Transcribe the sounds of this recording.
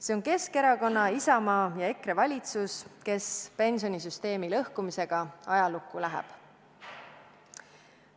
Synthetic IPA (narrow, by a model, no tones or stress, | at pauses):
se̞o̞nke̞ske̞ɾɑko̞nːɑisɑmɑːjɑe̞kɾe̞vɑlʲit̪suske̞spe̞nʲso̞nisyst̪e̞ːmilɤhkumise̞ɡ̥ɑɑjɑlukˑːulæɦɛ̰b̥